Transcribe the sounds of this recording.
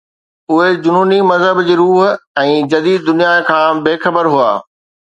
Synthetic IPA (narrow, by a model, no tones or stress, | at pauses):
ʊɦed͡ʑʊnuːnimɐzɦəbd͡ʑiːɾuːɦɛ̃ːd͡ʑɐd̪iːd̪̚d̪ʊnijakʰãːbeːxɐbəɾɦua̰ː